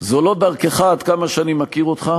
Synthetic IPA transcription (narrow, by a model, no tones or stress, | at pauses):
zolo̞d̪aʁkeχaad̪kamaʃeanimakiʁot̪χa